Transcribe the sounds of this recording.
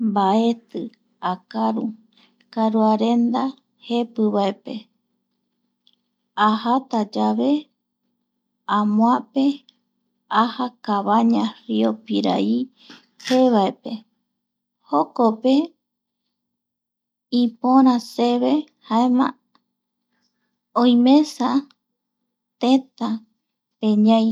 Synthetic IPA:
mbae̞t̪ɨ | akaɾu | kaɾuaɾe̞nd̪a | he̞pɨβaepe̞ | ahat̪ad͡ʒaβe̞ | ãmw̃ãpe | ahakaβaɲãɾiopiɾa̰i | peβaepe̞ | hokope̞ | ĩpõɾ̃ãse̞βe̞ | haemã | õj̃mẽ̞sa | t̪ẽt̪a | pẽɲãj

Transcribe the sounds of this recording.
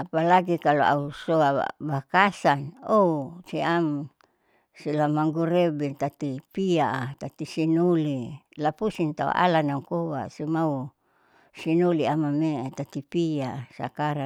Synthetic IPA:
apalaɡikaloʔa̰usoa̰bakasanousiam | silamaŋɡuɾebet̪at̪ipiaʔat̪at̪isinoli | lapusint̪a̰o̰ʔa̰lanauŋkowa̰simau | sinoliamamet̪at̪ipiasa̰kaɾa

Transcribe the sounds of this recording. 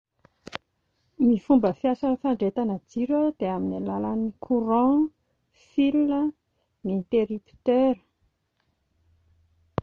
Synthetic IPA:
mifumbəfiasanəfaɳɖ͡ʐet̪anad͡ziɾəd̪eaminalalanikʰuɾɑ̃ | filnə | nit̪eɾipi̥t̪eɾə̥

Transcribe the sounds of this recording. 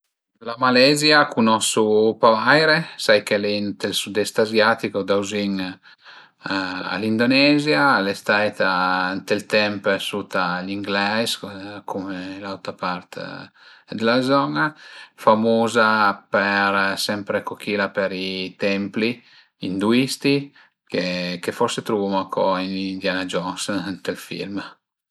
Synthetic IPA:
lamalɛzjakʰunɔsupavajɾesajkelɛnt̪elsud̪ɛst̪azjat̪ikod̪awziŋ | a̰lind̪onɛzjalest̪ajt̪ant̪elt̪ɛmpɛsut̪aʎiŋɡlɛskʰumelawt̪apaɾt̪ | d̪elazɔnafamoːzapeɾsɛmpɾekokʰiːlapeɾit̪ɛmpli | ind̪uist̪i | kekefɔɾset̪ɾuvumakʰɔinind̪janad͡ʒɔnsant̪elfḭlm

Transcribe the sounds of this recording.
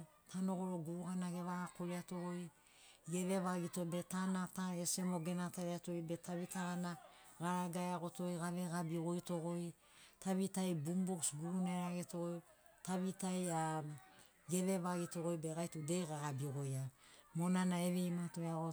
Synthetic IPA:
tʰano̞ɡo̞ɾoɡuuhanaɡe̞βaakoɾeato̞ɡoj | ɡeβe̞βaɡito̞be̞tanataese̞mo̞ɡe̞nataɾiato̞jbe̞taβitaɣanaɡaɾaɡajaɡo̞to̞jɡaβe̞ɡabiɣo̞jto̞ɡo̞j | taβitajbumboksɡuuneɾaɡetooj | taβitaja | ɡe̞βe̞βaɡito̞ɣo̞jbe̞ɡajtudejɡaɡabiɡo̞jamo̞nanaeβe̞jmato̞jaɣo

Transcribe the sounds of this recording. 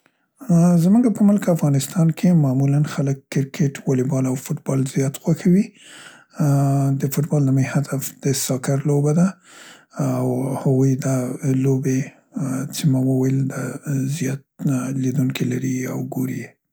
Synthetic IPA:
zmuɡapəmʊlkəafɣɑnɪst̪ɑnkʰemɑmulanxaləkːɪɾkʰeʈwɑlɪbɑlawfʊʈbɑlzjɑt̪xwaxawi | d̪əfʊʈbɑld̪əməjhad̪afd̪̥əsɑkaɾlobad̪a | awhaɣujd̪alobe | t͡semawəwajəld̪azjɑt̪̚lid̪uŋkʰilaɾia̰wɡoɾi

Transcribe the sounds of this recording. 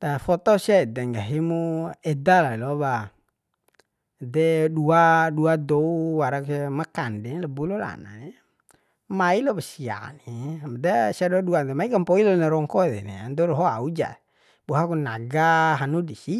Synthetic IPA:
t̪afɔt̪ɔsiad̪ɛŋɡaɦimuɛdalailoβa | dɛduaduad̪ouwaɾakusemakandɛnlabulola̰na̰ne | mailobasia̰nimad̪esiaduaduant̪emaikampoilonaɾɔŋkɔd̪ɛ̰nḛa̰nd̪ɔɾɔɦoaud͡ʒa̰ | b̥uɦakunaɡaɦanudisi

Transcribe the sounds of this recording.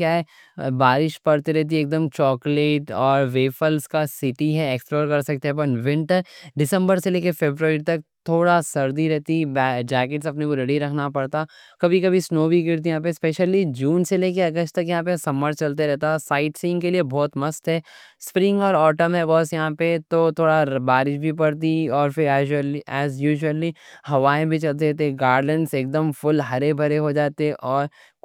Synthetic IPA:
kjaːɦɛ | baːɾɪʃpɐɽt̪eɾɛɦt̪̬ieːk̚d̪əmt͡ʃɔːkleːʈɔːɾʋeːfʰəlskasɪʈiɦɛeksploːɾkɐɾsɐk̚t̪eɦɛpɐnʋɪ̃ɳʈəɾɖɪsə̃mbəɾseleːkefeːbɾɾt̪ɐk̚t̪ʰoːɽasɐɾd̪iɾɛɦt̪ibd͡ʒɛːkɪʈsɐpnekoɾɐɽiɾɐkʰnapɐɽt̪a | kɐbʱikɐbʱisnoːbʱiɡɪɾt̪̬ijɦãːp̬espeːʃəlid͡ʒũːnseleːkeɐɡəsʈt̪ɐkjɐɦãːp̬esɐməɾt͡ʃɐlt̪̬eɾɛɦt̪asaːɪʈsɪ̃ŋkeliebɔːt̪mɐst̪ɦɛː | spɾɪ̃ŋɡɔːɾɔːʈəmɦɛbɔːsjɐɦãpet̪ot̪ʰoːɽabaːɾɪʃbʱipɐɽt̪iɔːɾfɪɾɛːəliɛːzjuːʒəlihɐʋaːẽbʱit͡ʃɐlt̪̬eɾɛɦt̪eɡaːɾlə̃ɳʈseːk̚d̪əmfʊlɦɐɾebʱɐɾeɦod͡ʒaːt̪eʔɔːɾ

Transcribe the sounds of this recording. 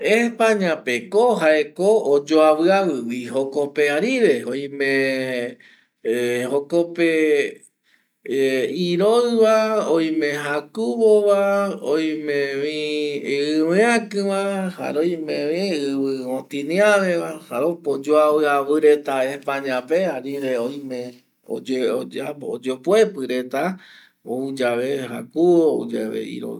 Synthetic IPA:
epãɲãpekoɦaekoːd͡ʒoaβɨawɨwiɦokopeaɾiɾeoj̃mẽ | hokope | iɾoɨβaoj̃mẽɦakuβoβaoj̃mẽβĩ | ɨwẽakɨ̃ʋaha̰ɾoj̃mẽʋĩɨβɨõt̪ĩnĩãʋeβahaɾopod͡ʒoaɨaβɨɾet̪aepãɲãpeaɾiɾeojmẽ | o̰d͡ʒeoaod͡ʒopwepɨɾet̪a | oud͡ʒaβeɦa̰kuoṵd͡ʒaβḛḭɾo̰

